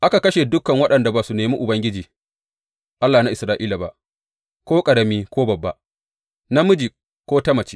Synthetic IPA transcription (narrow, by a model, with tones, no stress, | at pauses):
ʔa˦ka˨kɐ˦ʃeː˨dʊ˦kɐ˨ŋwɐ˦ɗɐ˨nda˨baː˨su˨neː˨miː˦ʔʊ˨bɐ˦ŋɡʲɪ˦d͡ʒiː˨ | ʔa˦lːaː˨na˦ʔɪ˨sɾaː˦ʔiː˦la˨ba̰˨ʔ | kʷoː˦kʼɐ˨ɽɐ˦miː˦kʷoː˦bɐ˨bːa˨ʔ | na˦mʊ˦d͡ʒiː˨ | kʷoː˦tɐ˦mɐ˨t͡ʃi̥˦